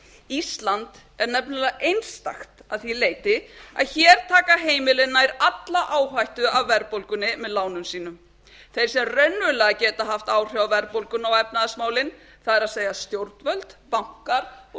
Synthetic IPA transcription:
ist̪lant̪ | ɛɾnɛpnʏlaʔejnst̪a̰xt̪aðθileːjt̪ɪa̰ðçɛːɾ̥t̪ʰaːkaɦeːjmɪlɪnːajɾat̪laʔaːwɦajht̪ʏavːɛɾpolkʏnːɪmɛðlaːwnʏmsiːnʏm | θejɾ̥sɛmrœɥnːʏlɛɣacɛːt̪aɦaft̪aːwr̥jawavɛɾpowlkʏnawɛpnaðasmaːwlɪn | θaðɛɾaðseːjast̪jowɾt̪nvœlt̪pawŋ̥kaɾ

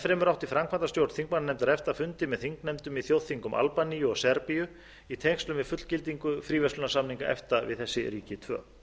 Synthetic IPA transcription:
fɾɛmʏɾawht̪ifɾamkʰvant̪ast̪jowɾt̪θiŋk̚mananɛmt̪aɾɛft̪afʏnt̪ɪmɛðθiŋknɛmt̪ʏmiθjowðθiŋkʏmʔa̰lpanijʏɔɣsɛɾpijʏ | it̪ʰɛŋst̪lʏmɪðfʏt̪l̥cɪlt̪iŋkʏfɾiːvɛslʏnasamniŋkaʔɛ̰ft̪avɪ̰ðθɛsːɪ̰ɾiːcɪt̪ʰvœ̰ː

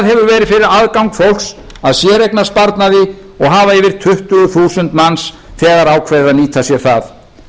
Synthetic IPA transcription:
ðɦɛvʏɾvɛːɾɪðfɪɾɪɾaðkawŋkfowl̥ks | aðsjɛɾejknaspaɾt̪naðɪ | ɔɣɦaːvaɪvɪɾ̥t̪ʰʏht̪ʏɣʏθuːsʏnt̪mans | θɛːɣaɾaːwkʰvɛðɪɾaðniːt̪ʰasjɛθaθ

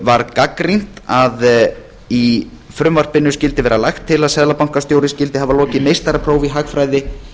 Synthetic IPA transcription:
vaɾkakɾin̥t̪að | i | fɾʏmvar̥pɪnːʏscɪlt̪ɪvɛːɾalajxt̪ʰːɪlaðsɛðlapawŋ̥kast̪joːwɾɪscɪlt̪ɪhɦavalɔːcɪmejst̪aɾapʰɾoːwviɦaxfɾajðɪ

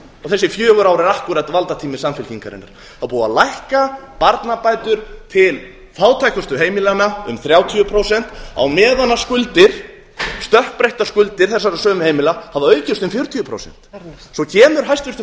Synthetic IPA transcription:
ɔθɛsːɪfjœːɣʏɾaːwɾɪɾahkʏɾat̪valt̪at̪ʰiːmɪsamfɪlciŋkaɾɪ̰nːa̰ɾ̥ | aðpuːa̰lajhkapaɾt̪napaːjt̪ʏɾ̥t̪ʰɪl | faːwt̪ʰajkʏst̪ʏɦeːjmɪlanaʏmθɾjaːwt̪ʰiʏpʰɾowsɛn̥t̪a̰wmɛːðanːaskʏlt̪ɪɾ̥ | st̪œhpɾejht̪askʏlt̪ɪɾ̥θɛsːaɾasœːmʏheːjmɪlahavaœːɥcɪst̪ʏmfjʏɾ̥t̪ʰijʏpʰɾo̰wsɛ̰n̥t̪sɔcʰɛːmʏɾɦajst̪ʏst̪

